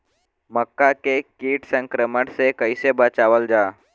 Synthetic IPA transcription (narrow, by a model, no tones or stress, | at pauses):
məkːakekiːʈsə̃ŋkɾəməʈsekəisebət͡ʃaʋəld͡ʒaː